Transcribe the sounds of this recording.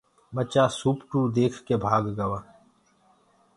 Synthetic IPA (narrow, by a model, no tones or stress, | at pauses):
ɓət͡ʃaːsuːpʈuːd̪eːkʰkeːbʱaːɡɡəʋaː